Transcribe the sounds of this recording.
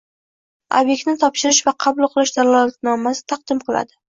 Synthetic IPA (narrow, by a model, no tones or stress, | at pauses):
o̰bje̞k̚ʲt̪nɪt̪ʰɒpʃɪɾɪʃvaqʰɑbʊlˠqʰɨlˠɪʃd̪alalat̪nɒmasɪ̥t̪ʰɑq̚d̪̥ɪmqʰɨlˠa̰d̪ɪ